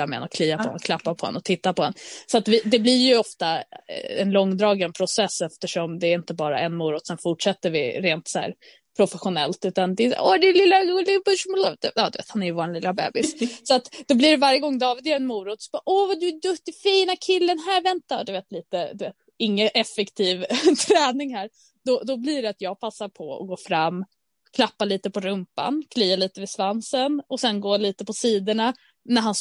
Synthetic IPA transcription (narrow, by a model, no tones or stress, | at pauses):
amɛ̰ɛ̰nɔkʰliːvapʰɔhɛ̰nɔkʰlapːaɾpʰɔhɛ̰nɔt̪ʰɪt̪ːaɾpɔhɛ̰nsɔat̪vɪd̪ɛblɪɾjɵɔft̪a̰ɛ̰nlɔŋːd̪ɾɑːɡənpʰɾʊsɛsːɛft̪əʂɔmd̪ɛːɾɪnt̪əbɑːɾa̰ʔɛnmuːɾʊt̪ːsɛnfʊʈʂɛt̪ːəɾvɪɾeːnt̪sɔhæ̰ːɾ | pʰɾʊfɛɧʊnɛlt̪ʉ̟ːt̪and̪ɛ̰ɔd̪ɛlɪlːaʊlɪbɵʃmlad̪ɛɑːd̪ɵvḛːt̪hanæɾjəvoːɾanlɪlːabɛ̰ːbɪssɔat̪d̪ɔblɪɾvaɾjəɡɔŋːd̪ɑːvɪd̪ɛɾɛnmuːɾʊt̪ɔsb̥ɑːʔɔvad̪ɵd̪ɵt̪ːɪfiːnakʰɪlːənɦæːɾvɛnt̪ad̪ɵveːt̪liːt̪əd̪ɵveːt̪ | ɪŋːəʔɛfɛkt̪ʰiːvt̪ʰɾɛːnɪŋɦæːɾ | d̪̥ɔd̪ɔblɪɖɛat̪jɑːɡ̚pʰasːaɾpʰɔɔ̰ɡoːfɾamː | kʰlapːaliːt̪əpʰɔɾɵmpa̰nkʰliːaliːt̪əvɪsvansənɔsɛnɡoːliːt̪əpʰɔsiːd̪əɳa | næɾɦans